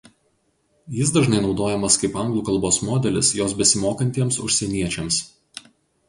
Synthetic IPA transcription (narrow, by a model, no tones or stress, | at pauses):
jɪs̬d̪ɐʒnɐɪnɒʊd̪oːjɛmɐskɐɪpɐˑŋɡlˠuːkɐlˠboːsmoːd̪ʲɛlʲɪsjoːs̬bʲɛsʲɪmoːkɐnʲt̪ʲiɛmsʊʃʲsʲɛnʲiɛt͡ʃʲɛms